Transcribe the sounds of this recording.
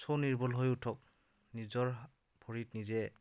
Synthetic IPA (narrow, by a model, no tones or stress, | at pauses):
sowniɹbɔlɦojutʰɔk̚ | nizɔɹ | bʱoɹitnizɛ